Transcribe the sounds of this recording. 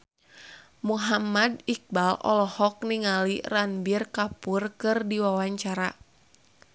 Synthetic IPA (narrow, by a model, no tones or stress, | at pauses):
muɦamadik̚balɔ̰lɔhɔk̚niŋaliranbirkapʊrkɨrdiwawaɲt͡ʃaɾa